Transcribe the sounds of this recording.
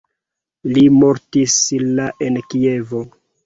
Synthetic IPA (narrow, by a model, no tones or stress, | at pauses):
limoɾtislaʔenkie̞vo